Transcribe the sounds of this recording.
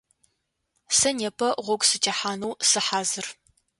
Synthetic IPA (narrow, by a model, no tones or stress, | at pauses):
sɐneːpʰɐʁʷɔɡʷsɨtʰɐħaːnɐwsɨħaːzɨr